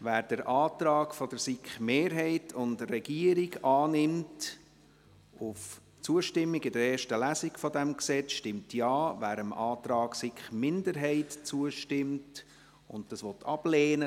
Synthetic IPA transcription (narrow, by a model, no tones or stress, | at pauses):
væːɾd̥əɾʔɑːtɾɑːɡfɔdəɾsikχmeːɾɦɛɪtʰʊndrɛɡiəɾiɡɑːnɪmt | ʊf | t͡suəʃtɪmːiɡɪdəɾɛːʃtəlæsiɡfɔdɛmksɛt͡sʃtɪmtʰjɑːvæːɾəmʔɑːtɾɑːɡsikχmɪndəɾɦɛɪtt͡suəʃtɪmt | ʊ̰ndd̥ɑsʋɔtʰɑb̥leːnə